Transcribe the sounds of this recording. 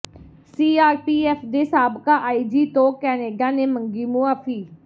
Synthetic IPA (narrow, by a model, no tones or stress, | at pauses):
siːaːɾpiːɛːpʰd̪eːsaːbkaːʔaːiːd͡ʒiːt̪õːkɛːneːɡaːneːməŋɡiːmʊaːfiː